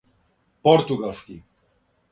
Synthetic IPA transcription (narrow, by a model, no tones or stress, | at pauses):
pɔɾt̪uɡalski